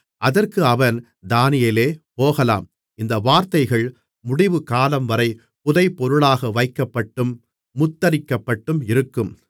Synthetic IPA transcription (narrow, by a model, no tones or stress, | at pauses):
ʔɐðɐrkɯɐʋɐn | d̪aːnɪjɐleːpoːɣɐla̰ːm | ʔɪnd̪ɐʋaːɾt̪ɐɪɣɐɭ | mʊɽɪʋɯkaːlɐmʋɐɾɐɪ | pʊðɐɪpːɔɾɯɭaːɣɐʋɐɪkːɐpːɐʈːɯmː | ʊt̪ːɐɾɪkːɐpːɐʈːɯmɪɾɯkːɯm